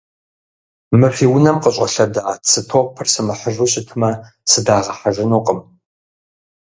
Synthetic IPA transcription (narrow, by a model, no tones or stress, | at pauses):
mɨfiːwʊnɐmqəɕʼɐɬɐdaːsɨtʰoq̚ʷʼpʰɨrsɨmɨħəʒʊɕʼɪtʰɨmɐ | sɨdaːʁɐħaʒɪnuːqʼəm